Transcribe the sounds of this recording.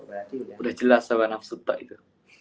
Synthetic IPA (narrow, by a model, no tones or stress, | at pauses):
udaht͡ʃəlasaɣanafsut̪aʔit̪u